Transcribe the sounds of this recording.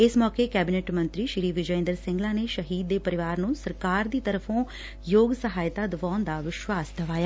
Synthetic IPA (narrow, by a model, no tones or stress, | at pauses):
ɪsmɔːkeːkɛːbɪnɛːʈmənt̪ɾiːʃɪɾiːʋɪd͡ʒəɪ̃nd̪əɾsɪ̃ŋɡlaːneːʃəɦiːd̪ːeːpəɾɪʋaːɾnũːsəɾkaːɾd̪iːt̪əɾəpʰõː | joːɡsəɦaːjt̪aːd̪əʋaːnd̪aːʋɪʃwaːsd̪əʋaːjaː